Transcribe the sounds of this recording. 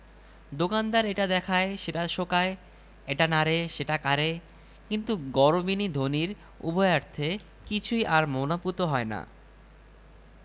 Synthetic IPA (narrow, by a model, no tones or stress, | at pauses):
d̪okand̪aɾeʈad̪ɛkʰaeʃeʈaʃokae | eʈanaɾeʃeʈakaɾe | kint̪uɡɔɾobinid̪ʱoniɾ | ṵboeaɾt̪ʰe | kit͡ɕʰujʔaɾmonaput̪oɦɔena̰